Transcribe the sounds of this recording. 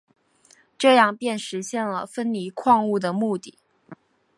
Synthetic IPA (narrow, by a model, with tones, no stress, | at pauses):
ʈ͡ʂɤ˥˧jɑ˥˧ŋpjɛ˥˩nʂɻ̩˧˥ɕjɛ˥˩nlə̰˩fə˥nli˧˥kʰwɑ˥˧ŋu˥˩d̪ə˩mu˥˧t̪i˥˩